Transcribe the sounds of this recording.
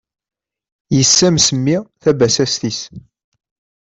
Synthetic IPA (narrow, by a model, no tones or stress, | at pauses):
jəsːæmsəmːiθæbæsæst̪is